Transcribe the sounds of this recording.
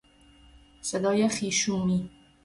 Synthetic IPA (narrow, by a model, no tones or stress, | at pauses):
sed̪ɒːjæxiːʃuːni